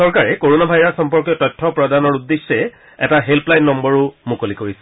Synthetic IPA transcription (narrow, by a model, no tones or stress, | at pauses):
sɔɹkaɹɛkoɹonabʱajɹasxɔmpɔɹkjɔtɔjtʰːɔpɹɔdanɔɹudːesːɛ | ɛ̰taɦelplajnːɔmbɔɹʊmukolikoɹisɛ